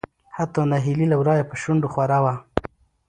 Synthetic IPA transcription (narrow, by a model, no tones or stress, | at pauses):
hat̪ɑnaɦililawɾɑjapəʃʊɳɖoxwaɾawa